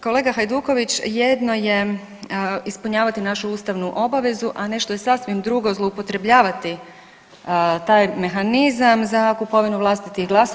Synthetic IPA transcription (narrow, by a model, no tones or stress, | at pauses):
ko̞le̞ːɡaxajd̪uːko̞ʋit͡ɕje̞d̪no̞je̞ | ispuɲaːʋat̪inaʃuuːst̪aʋnuʔo̞baʋe̞zuʔane̞ʃt̪o̞je̞sasʋimd̪ɾuːɡo̞zlˠoupo̞t̪ɾe̞bʎaːʋat̪i | t̪aːjme̞xanizamzakupo̞ʋinuʋlˠast̪it̪ixɡlˠaso